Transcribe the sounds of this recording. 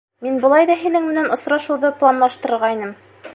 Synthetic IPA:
minbɤ̆lˠɑjðɑɦinɘŋmɘ̆nænŏsɾɑʃɤ̆wðɤplˠanlˠɑʃt̪ɤ̆ɾɤ̆ɾʁɑinɤm

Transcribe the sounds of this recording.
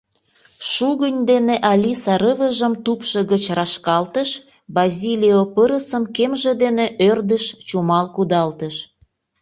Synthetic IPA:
ʃuɣənʲd̪eneʔɑlʲisɑɾəβəʒəmt̪upʃə̆ɣət͡ɕrɑʃkɑlt̪əʃ | bɑzʲilʲiopəɾəsəmkemʒĕd̪eneʔørd̪əʃt͡ɕumɑlkud̪ɑlt̪əʃ

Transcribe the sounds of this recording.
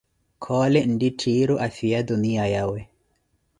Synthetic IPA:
kʰɔːlɛn̩diʈʰiːɾuʔafiad̪uniajawɛ

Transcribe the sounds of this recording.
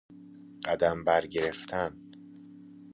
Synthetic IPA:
ɢ̥æd̪æmbæɾɟe̞ɾe̞ft̪ʰæn

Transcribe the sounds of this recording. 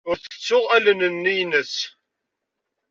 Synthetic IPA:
ʊɾθət͡sːʊʁælənənːijnəs

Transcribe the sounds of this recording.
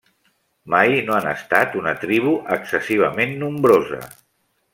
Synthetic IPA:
majnoanə̰st̪at̪unət̪ɾiβ̞uʔəksəsiβ̞əmenːumbɾozə̰

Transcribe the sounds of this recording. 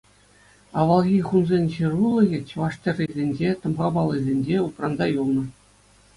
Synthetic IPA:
ɑʋɑlˠɣʲiχunzʲenʲɕirulˠɤ̆ɣʲĕt͡ɕʋɑʂtʲĕrʲːizʲenʲd͡ʑet̪ɤ̆mʁɑbɑlˠːĭzʲenʲd͡ʑeut̪rɑnzɑjulˠnɤ̆

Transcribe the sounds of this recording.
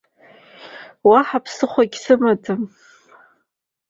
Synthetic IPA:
waħapʰsɨχʷaɡʲsɨmatʰʼɨm

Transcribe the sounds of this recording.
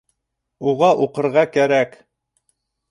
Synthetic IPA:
uʁɑʔuqɤ̆ɾʁɑkæɾæk

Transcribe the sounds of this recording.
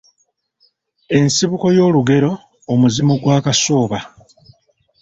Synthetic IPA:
e̞nsiβuko̞jo̞ːluɡe̞ɾo̞ː | muzimuɡwaːkaso̞ːβa

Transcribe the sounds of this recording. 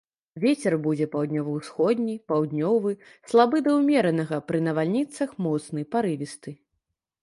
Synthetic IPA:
vʲet͡sʲɛrbud͡zʲɛpawd̪ʲnʲɔvɐwsxɔd̪ʲnʲipawd̪ʲnʲɔvɨslˠabɨd̪ɐwmʲɛɾɐnɐɣɐpɾɨnɐvalʲnʲit̪sɐxmɔt̪snɨjpaɾɨvʲist̪ɨ

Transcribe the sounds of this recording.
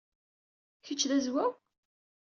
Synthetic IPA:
çət͡ʃːðæzwæw

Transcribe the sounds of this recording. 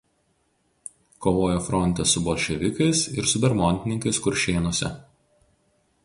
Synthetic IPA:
koːʋoːjoːfɾɔnʲt̪ʲɛsʊboːlʲʃʲɛʋʲɪkɐɪsɪɾsʊbʲɛɾmɔnʲt̪ʲɪnʲɪŋkɐɪskʊɾʲʃʲeːnuɔsʲɛ̰

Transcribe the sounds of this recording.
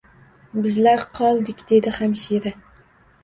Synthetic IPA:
bɪzlaɾqʰɒlˠd̪ɪkʲd̪̥e̞d̪ɪhamʃeɾɪ

